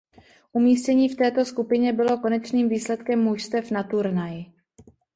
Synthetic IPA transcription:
ʔumiːscɛɲiːft̪ɛːt̪o̞skupɪɲɛbɪlo̞ko̞nɛt͡ʃniːmviːslɛt̪kɛmːujst̪ɛfnat̪uɾnajɪ

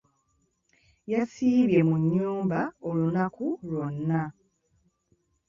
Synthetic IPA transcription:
jasiːβje̞muɲːuːmbao̞lunakulo̞nːa

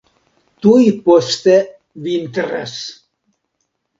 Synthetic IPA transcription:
t̪uipost̪e | vint̪ɾḛs

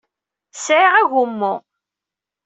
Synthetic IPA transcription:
sʕiʁæʝʊmːʊ

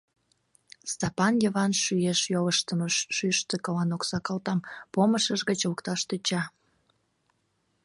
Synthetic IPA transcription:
st̪ɑpɑnjəβɑnʃyeʃjoləʃt̪əməʃːyʃt̪ekɑlɑnoksɑkɑlt̪ɑmpoməʃəʒɣət͡ɕləkt̪ɑʃt̪ət͡ɕɑ

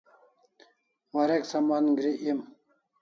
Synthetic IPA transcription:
wɐɾeksɐmanɡɾiʔim

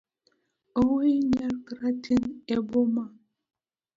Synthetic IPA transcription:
owejɲaɾkɾatʰineboma

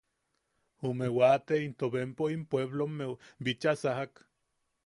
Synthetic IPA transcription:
umewat̪eint̪oβempoimpweβlomebit͡ʃasaɦak

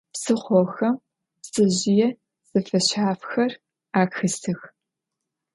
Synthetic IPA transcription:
psɨχʷɔxɐm | psɨʑɪjɛ | sɨfɐɕaːfxɐr | aːxɨstʰɨx

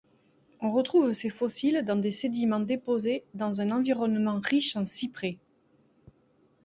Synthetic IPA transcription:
ɔ̃ʁət̪χuvsefɔsild̪ɑ̃d̪esed̪imɑ̃d̪epozed̪ɑ̃zɛ̃nɑ̃viʁɔnmɑ̃ʁiʃɑ̃sipχe

